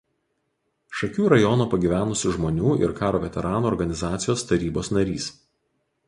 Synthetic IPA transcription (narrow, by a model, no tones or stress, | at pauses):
ʃɐkʲuːɾɐjɔnoːpɐɡʲiʋʲæːnʊsʲʊʒmoːnʲuːʔɪ̰ɾkɑːɾoːʋʲɛt̪ʲɛɾʔɑːnuːɔɾɡɐnʲɪzɑːt̪sʲɪjoːst̪ɐɾʲiːboːsnɐɾʲḭːs